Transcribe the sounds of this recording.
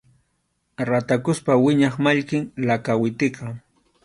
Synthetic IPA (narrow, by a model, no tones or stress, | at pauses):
ɾat̪akʊspawɪɲɑχmaʎkɪŋlakawɪt̪ɪkɑ